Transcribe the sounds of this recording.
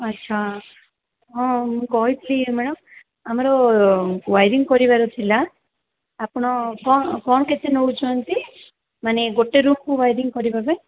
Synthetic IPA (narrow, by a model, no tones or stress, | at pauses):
ɐtːʃʰa | ɦɔ̃mũkɔɦip̪limɛɽɔm | amɔɾɔ | ʋajɾiŋɡkɔɾibaɾut̪ʰilaː | pɽ̃ɔkɔɳkɔɳket̪ʰenout͡ʃʰɔɔnt̪i | maneɡoʈːeɾumkuʋajɾiŋkɔɾibabaj